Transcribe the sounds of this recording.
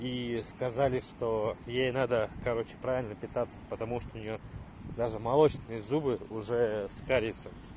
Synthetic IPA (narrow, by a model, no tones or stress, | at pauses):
iskɐzalʲɪʂt̪ojejnad̪əkɐɾo̞t͡ɕɪ̥pɾavʲɪlʲnəpʲɪt̪at̪sːə̥pət̪ɐmuʂt̪oʊnʲɪjo | d̪aʐɨmɐlˠot͡ɕt̪ʲɪnɨjəzubɨʊʐɛskaɾʲɪt̪sə